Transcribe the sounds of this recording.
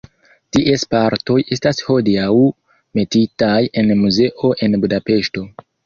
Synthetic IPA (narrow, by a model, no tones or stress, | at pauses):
tiʔespaɾto̞je̞stasho̞diaw | me̞titaje̞nmuze̞ʔo̞ʔe̞nbudape̞ʃto̞